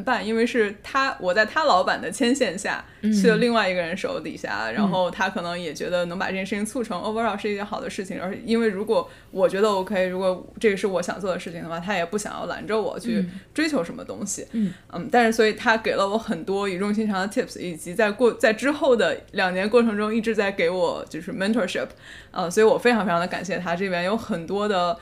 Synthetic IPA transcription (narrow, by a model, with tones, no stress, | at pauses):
npa˥˩ni˥nwe˥˧ɪʂɻ̩˥˩t̪ʰa˥wʔɔ˨˩t͡sa˥˩ɪt̪ʰa˥lɑ˧˥ʊpa˨˩nd̪ə˦t͡ɕʰjɛ˥nɕjɛ˥˧nɕja̰˥˩ | t͡ɕʰy˥˧d̪ə˧li˥˧ŋwa˥˩ɪi˧˥ɡə˧ɻə˧˥nʂo˧˥ʊt̪ḭ˨˩ɕja̰˥˩ɻa̰˧˥nxo˥˩ʊt̪ʰa˥kʰɤ˨˩nɤ˧˥ŋjɛ˨˩t͡ɕɥɛ˧˥d̪ə˧nɤ˧˥ŋpa˨˩ʈ͡ʂɤ˥˩ɛ˧˩ʂɻt͡ɕʰi˩ŋt͡sʰu˥˩ʈ͡ʂʰɤ˧˥ŋo̰˥˧ə˥ɑ˥˩ʂɻ̩˥˧i˥˩jɛ˧˥xɑ˨˩ʊd̪ə˦ʂɻ̩˥˩t͡ɕʰi˩ŋə˞˧˥ɻ̩˥˩i˥nwe˥˩ɪɻu˧˥kwɔ˧˥ | wɔ˨˩t͡ɕɥɛ˧˥d̪ə˧wɔ˧˥kʰɤ˧˥i˨˩ɻu˧˥kwɔ˧˥ʈ͡ʂɤ˥˩ɡə˩ʂɻ̩˥˩wɔ˧˥ɕjɑ̰˨˩ŋt͡swɔ˥˩d̪ə˩ʂɻ̩˥˩t͡ɕʰi˩ŋd̪ə˩xwa˥˩t̪ʰa˥jɛ˨˩pu˥˩ɕjɑ̰˨˩ŋjɑ̰˥˩la̰˧˥nʈ͡ʂə˧wɔ̰˨˩t͡ɕʰy˥˩ʈ͡ʂwe˥ɪt͡ɕʰjo˧˥ʊʂə˧˥nmə̰˧t̪ʊ̰˥ŋɕḭ˨n̩˥˩t̪a˥˧nʂɻ̩˥˩swɔ˧˥i˨˩t̪ʰa˥ke˨˩ɪlə˦wɔ˧˥xə˨˩nt̪wɔ˥y˨˩ʈ͡ʂʊ˥˧ŋɕ̬i˥nʈ͡ʂʰɑ˥ŋd̪ə˧t̪ʰi˥˩pʰsi˨˩t͡ɕi˧˥t͡sa˥˧ɪkwɔ˥˧t͡sa˥˩ɪʈ͡ʂɻ̩˥xo˥˩ʊd̪ə˩ljɑ˨˩ŋnjɛ˧˥nkwɔ˥˩ʈ͡ʂʰɤ˧˥ŋʈ͡ʂʊ˥ŋi˥˩ʈ͡ʂɻ̩˧˥t͡sa˥˩ɪke˧˥ɪwɔ̰˨˩t͡ɕjo˥˧ʊʂɻ̩˥˩mɛ˥nt̪ʰə˧˥ʂi˥˩pʰ | ʔə̰˧swɔ˧˥i˧wɔ˨˩fe˥ɪʈ͡ʂʰŋfʰɑ˧d̪ə˧ka̰˨˩nɕjɛ˥˩t̪ʰa˥ʈ͡ʂɤ˥˧˩pjɛ˥njo˧˥ʊxə˨˩nt̪wɔ˥d̪ə˨˩